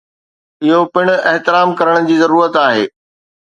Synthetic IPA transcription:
ɪɦopɪɽ̃ʊ̆ɛɦt̪ɪɾaːmkɐɾəɽ̃ʊd͡ʑiːzɐɾuːɾət̪aːɦeː

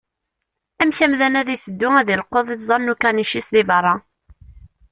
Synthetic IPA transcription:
æmçæmðænæðiθəd̪ːʊæðilqoðˤizˤɑnːukæniʃisðivɑrˤːɑ

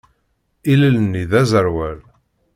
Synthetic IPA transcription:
iləlnːiðæzəɾwæl

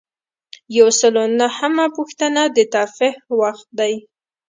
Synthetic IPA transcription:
jawsəlonahəmapuxt̪ənad̪ət̪ɑfɪhwaxt̪̚d̪aj

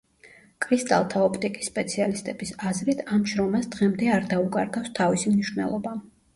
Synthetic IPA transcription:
kʼɾist̪ʼa̰lˠt̪ʰaɔpʰt̪ʼikʼisːpʼɛt̪sʰialist̪ʼɛb̥isazɾit̪ʰamʃɾɔmasd̪̥ʁɛmd̪ɛaɾd̪aukʼaɾɡafst̪ʰavisimniʃvnɛ̰lˠɔba

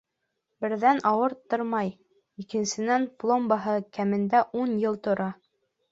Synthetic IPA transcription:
bɘ̆ɾðænʔɑwɤɾt̪ːoɾmɑj | ikɘ̆nsɘ̆nænplˠombɑɦɤkæmɘ̆nd̪æʔunjɤlˠt̪ŏɾʔɑ

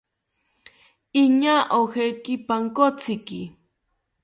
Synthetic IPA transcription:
iɲaʔowxejkɪpaŋkot͡sɪkɪ

